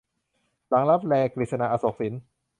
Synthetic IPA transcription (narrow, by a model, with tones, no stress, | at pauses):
la˩˦ŋla˦˥p̚lɛː˧kli˨˩sa˧na˧˩ʔa˧so˨˩k̚si˨˩˦n